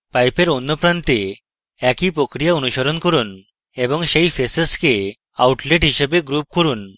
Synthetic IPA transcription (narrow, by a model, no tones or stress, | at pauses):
pajpeɾɔnːɔpɾant̪e | ɛkipɾokɾijaonuɕɔɾɔnkɔɾuːn | ebɔŋɕejfesəske | a̰wʈleʈɦiɕebeɡɾup̚kɔɾuːn